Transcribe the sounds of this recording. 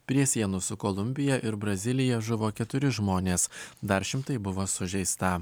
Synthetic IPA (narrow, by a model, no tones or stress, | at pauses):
pʲɾʲiɛsʲiɛnʊsʊkoːlˠʊmʲbʲɪjɛʔɪɾbɾɐzʲɪlʲɪjɛʒʊʋoːkʲɛt̪ʊɾʲɪʒmoːnʲeːsd̪ɐɾʃʲɪmt̪ɐɪbʊʋoːsʊʒʲɛɪst̪ɐ